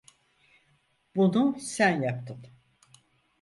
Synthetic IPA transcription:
bunusænjap̚t̪ʰɯm

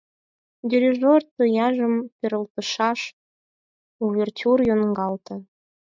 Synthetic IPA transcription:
d̪ʲiɾʲiʒort̪ə̆jɑʒəmpʲeɾəlt̪əʃɑʃ | uβʲertʲurjonɡɑlt̪ɤ̆

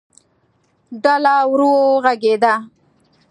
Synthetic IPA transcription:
ɖalawɾuwoɣaɡed̪a

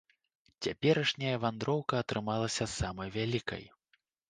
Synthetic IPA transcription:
t͡sʲapʲɛɾɐʂnʲɐjɐvand̪ɾɔwkɐːt̪ɾɨmalˠɐsʲɐsamɐjvʲalʲikɐ̰j

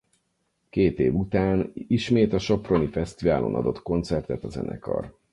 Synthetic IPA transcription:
keːt̪eːvut̪aːniʃmeːt̪ɒʃo̞pro̞nifɛst̪ivaːlo̞̰nʔɒd̪o̞t̪ko̞nt̪sɛrt̪ɛt̪ɒzɛ̰nɛ̰kɒ̰r

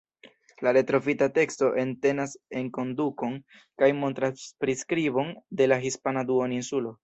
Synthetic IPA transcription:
laɾe̞tɾo̞fitate̞ksto̞ʔe̞nte̞nase̞ŋko̞nduko̞n | kajmo̞ntɾaspɾiskɾibo̞nde̞laɦispanaduoninsulo̞

